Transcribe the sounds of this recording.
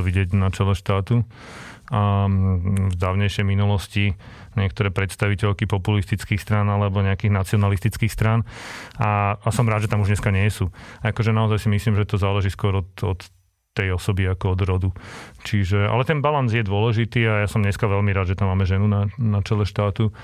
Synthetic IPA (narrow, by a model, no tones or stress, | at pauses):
ʋiɟɪɛɟnat͡ʃɛlɛʃt̪aːt̪u | a | vd̪aːʊɲɛɪʃɛjminulɔsci | ɲɪɛkt̪ɔɾɛːpɾɛt̪st̪aʋicɛʎkipɔpulist̪it͡skiːxst̪ɾanalɛbɔɲɛakiːɣnat͡siɔnalist̪it͡skiːxst̪ɾanaasɔmɾaːd̪ʒɛt̪amuʒɲɛskaɲɪɛsuakɔʒɛnaɔzajsimisliːmʒɛt̪ɔzaːlɛʒiːskʊɔɾɔt̪ɔt̪ː | ɛjɔsɔbiakɔɔd̪ɾɔd̪ut͡ʃiʒɛa̰lɛt̪ɛnbalanzjɛd̪ʊɔlɛʒit̪iːajasɔmɲɛskaʋɛʎmiɾaːd̪ʒɛt̪amːaːmɛʒɛnunanat͡ʃɛlɛʃt̪aːt̪u